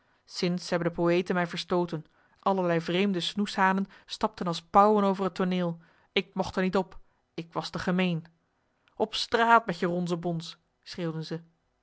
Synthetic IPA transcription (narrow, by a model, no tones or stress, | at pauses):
sɪnsɦɛbəndəpowejtənmɛjvəɹstowtən | ʔɑləɹlɛjvrejmdəsnusɦaːnənstɑp̚tənɑlˠspɑwənowvərɦətonɪːlˠ | ɪk̚mɔχtəɹnitɔp | ɪkʋɑstəχəmejn | ɔpstraːtmɛtjərɔnzəbɔns | srɪːwdənzə